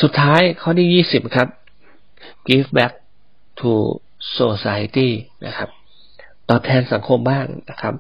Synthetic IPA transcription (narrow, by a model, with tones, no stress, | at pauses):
su˨˩t̪ʰːaː˦˥jkʰɔː˥˩niː˥˩jiː˥˩si˨˩p̚kʰa˦˥p̚ | ki˦˥fbɛ˦˥k̚ | t̪ʰuː˧ | soː˧saː˧t̪iː˥˩na̰˦˥kʰa˦˥p̚ | t̪ɔː˨˩p̚t̪ʰɛː˧nsa˩˦ŋkʰo˧mbaː˥˩ŋna˦˥kʰa˦˥p̚